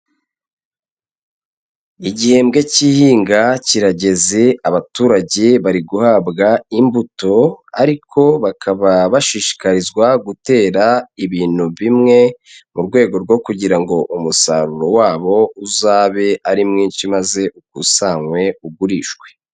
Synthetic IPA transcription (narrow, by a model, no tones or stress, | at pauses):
iɟihe̞mbɡe̞ciːhiːŋɡaciɾaɟe̞ze̞aβatuːɾaɟe̞βaɾiɡuhabɡaimbuto̞a̰ɾikʰo̞βakʰaβaβaʃiːʃi̥kaɾizɡwaɡute̞ːɾaiβiːn̥huβimŋe̞ | muɾɡwe̞ːɡo̞ɾɡwo̞kuɟiɾaŋɡo̞ʔumusa̰ɾuɾo̞waːβo̞uzaːβe̞ʔaɾimŋiːnʃimaze̞ʔuk̚usaŋwe̞uɡuɾiːʃɡwe̞